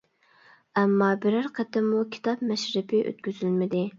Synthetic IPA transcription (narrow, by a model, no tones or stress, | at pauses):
ɛmːɑbɪɾæɾqʰæt̪ɪmukʲʰi̥t̪ʰɑpmɛʃɾɪpʰɪʔø̰t̪̚kʲyzylmɪd̪ɪ